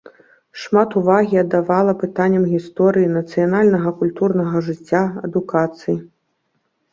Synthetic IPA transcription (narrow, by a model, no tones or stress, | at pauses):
ʂmat̪uvaɣʲiɐd̪ːavalˠɐpɨt̪anʲːɐmɣʲist̪ɔɾɨjinɐt̪sɨjanalʲnɐɣɐkulʲt̪urnɐɣɐʐɨt͡sʲːaɐ̰d̪ukat̪sɨji